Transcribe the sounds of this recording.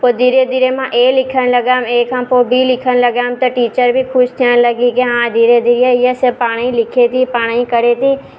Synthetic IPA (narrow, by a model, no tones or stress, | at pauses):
pod̪iɾed̪iɾemãʔeːlɪkʰənləɡaːmeːkãpobiːlɪkʰənləɡaːmt̪oʈiːt͡ʃəɾbʱikʰʊʃt̪ʰənləɡikeɦãːd̪iɾed̪iɾijeijesepaːɽ̃ilɪkʰet̪ipaːɽ̃ĩkəɾet̪iː